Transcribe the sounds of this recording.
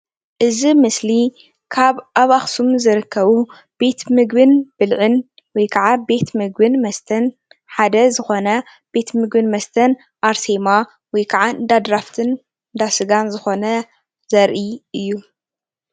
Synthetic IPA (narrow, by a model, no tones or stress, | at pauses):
ʔɨzimɨsli | kʰaβʔaβaxsumzɨɾɨkʰːɐβu | b̥e̞t̪mɨɡbɨnb̥ɨlʕɨn | wɔjkʰɐʕabe̞t̪mɨɡ̚bɨnmɐst̪ʰɐn | ħad̪ɐzɨxo̞nɐ | b̥e̞t̪mɨɡbɨnmɐst̪ʰɐn | ʔaɾse̞ma | wɔjkʰɐʕaɨd̪ad̪ɾaft̪ʰɨn | ɨnd̪asɨɡanzɨxo̞nɐ | zɐɾʔiɨjːu